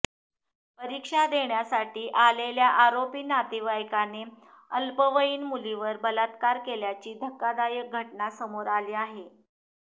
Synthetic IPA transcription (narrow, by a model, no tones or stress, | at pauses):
pəɾikʂad̪eɳjasaʈiːʔaleljaʔaɾopiːnat̪iʋajkane | əlpəʋəiːnmuliʋəɾbəlat̪kaɾkeljat͡ɕiːd̪ʱəkːad̪ajək̚ɡʱəʈnasəmoɾaliːaɦe